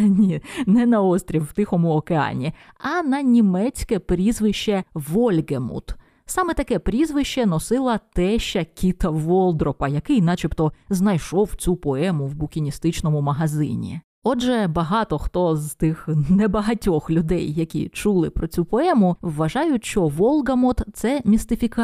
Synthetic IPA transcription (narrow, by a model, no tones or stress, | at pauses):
nʲinɛnɐɔst̪ʲɾʲiwwt̪ɪxɔmʊɔkeɑ̰nʲi | ɐnɐnʲimɛt͡sʲkɛpɾʲizʋɪʃt͡ʃɛʋɔlʲɡemṵt̪ | sɑmɛt̪ɐkɛpɾʲizʋɪʃt͡ʃɛnɔsɪlˠɐt̪ɛʃt͡ʃːɐkʲit̪ɐʋɔlˠd̪ɾɔpɐjɐkɪjnɑt͡ʃipt̪ɔznɐjʃɔwt͡sʲupɔɛmʊwbʊkʲinʲist̪ɪt͡ʃnɔmʊmɐɦɐzɪ̰nʲḭ | ɔd͡ʒʒɛbɐɦɑt̪ɔxt̪ɔzt̪ɪxnɛbɐɦɐtʲɔxlʲʊd̪ɛjːɐkʲḭt͡ʃulˠɪ̰pɾɔt͡sʲupɔɛmʊwːɐʒɑjʊtʲʃt͡ʃɔʋɔlˠɡɐmɔt̪t̪sɛmʲist̪ɪfʲikɑ